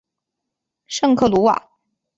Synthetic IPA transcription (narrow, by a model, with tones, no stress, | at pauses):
ʂɤ˥˧ŋkʰɤ˥˩lu˧˥wa̰˨˩˦